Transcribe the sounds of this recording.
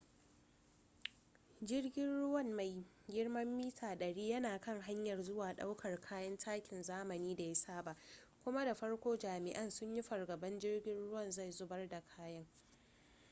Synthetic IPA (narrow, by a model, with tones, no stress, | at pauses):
d͡ʒɪ˦rɡʲɪ˦nɽʊ˦wɐ˦˨mma˨j | ɡʲɪ˦rmɐ˦mːiː˦tʰaː˨ɗɐ˨ɽiː˦jɐ˦naː˨kɐ˦˨ŋɦa˦ɲjɐ˨rzʊ˦waː˨ɗa˦wkʰɐ˨rkʰaː˦jɐ˦ntʰaː˦kʲɪ˨nzaː˦mɐ˨niː˦da˨ja˦saː˦˨ba˦˨ʔkʷʊ˦ma˦da˨ɸɐ˦ɽkʷoː˦d͡ʒaː˨mɪ˨ʔɐ˦nsʊ˦ɲji˦ɸɐ˨rɡɐ˨bɐ˦nd͡ʒɪ˦rɡʲɪ˦nɽʊ˦wɐ˦˨nza˦˨jzʊ˦bɐ˦rda˨kʰaː˦jɐ˦ŋ